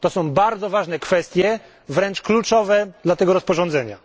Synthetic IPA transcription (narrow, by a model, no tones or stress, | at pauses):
t̪ɔsɔ̃w̃baɾd̪zɔvaʐnɛkfɛst̪ʲjɛ | vɾɛnt͡ʂklut͡ʂɔvɛd̪lat̪ɛɡɔɾɔspɔʐɔ̃nd̪zɛɲa